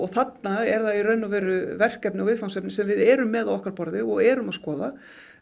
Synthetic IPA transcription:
ɔɣθat̪naɛɾðairœɥnavɛːɾʏvɛr̥kɛpnɪawvɪðfaw̪sɛpnɪsɛmvɪðɛːɾʏmːɛðaðɔhkaɾpɔɾðɪɔɣɛːɾʏmaðskɔːða

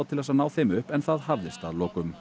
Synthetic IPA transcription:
wt̪ʰɪlvɛsanaːwθɪmʏhpɛnθaðhavðɪst̪a̰ðlɔːkʏm

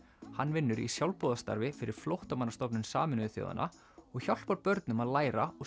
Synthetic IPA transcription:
hanːvɪnːʏɾḭsjawlpɔːðast̪a̰ɾvɪfɪɾɪɾ̥flowht̪amanːast̪ɔpnʏnsaːmɪnʏθjo̰ða̰nʔa̰ | ɔɣçal̥paɾpœɾt̪nʏmaðlaːjɾaɔ

